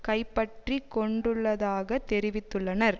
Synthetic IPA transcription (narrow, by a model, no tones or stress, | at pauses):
kɐɪpːɐʈrikːɔɳɖɯɭːɐðaːɣɐt̪ːɛɾɪʋɪt̪ːɯɭːɐnɐɾ